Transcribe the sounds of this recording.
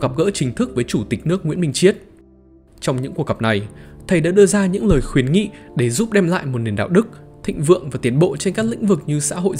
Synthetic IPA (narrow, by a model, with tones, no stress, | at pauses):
ɣə˨˩p̚ɣə̰ː˧˥t͡ɕï˨˦ŋ̟t̪ʰɨ˦˥k̚vəː˨˦jt͡ɕu˧˩t̪i˨˩k̟̚nɨ˦˥ək̚ŋwḭ˧˥əmï˧ŋ̟t͡ɕi˦˥ət̚ | t͡ɕɔ˧wŋ͡mɲɨ̰˧˥ŋku˨˩ək̚ɣə˨˩p̚na˨˩jt̪ʰə˨˩jɗa̰ː˧˥ɗɨ˧əzaː˧ɲɨ̰˧˥ŋləː˨˩jxwi˨˦ənŋḭ˧˨ɗe˧˩zu˦˥p̚ɗɛ˧mla̰ː˧˨jmo˨˩t̚ni˨˩ənɗa̰ː˧˨wɗɨ˦˥k̚t̪ʰḭ̈˧˨ŋ̟vɨ̰˧˨əŋvaː˨˩t̪i˨˦ənɓo̰˧˨t͡ɕe˧nkaː˦˥k̚lï˧˥ŋ̟vɨ˨˩k̚ɲɨ˧sa̰ː˧˥ɦo̰˧˨j